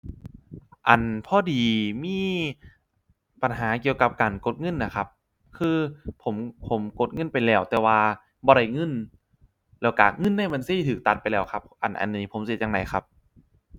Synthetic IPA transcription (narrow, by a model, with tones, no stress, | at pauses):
ʔa˨˩npʰɔː˧˩diː˨miː˧˥˨ | pa˨nɦaː˩˦ki˧əwka˧˦p̚kaː˨nko˧˦t̪̚ŋɤ˧˥˨nːa˧˩kʰa˦˧˥p̚ | kʰɯː˧pʰo˩˦mpʰo˨˩˦mko˧˦t̪̚ŋɤ˧˥˨npa˨jlɛː˧˩wt̪ɛː˨˧waː˧ | bɔː˧ɾa˧˥˩jŋɤ˧˥˨n | lɛː˧˩wka̰ː˨˩ŋɤ˧˥˨nːaː˧˥˩jma˧˨nsiː˧˩˨t̪ʰɯː˨˦k̚t̪a˧t̪̚pa˨jlɛː˧˩wkʰa˧˥p̚ʔa̰˨˩nʔa̰˨˩nːiː˧˩pʰo˨˦msi˧˩˦t̪̚a˧ŋna˨˩˦jkʰa̰˦˧˥p̚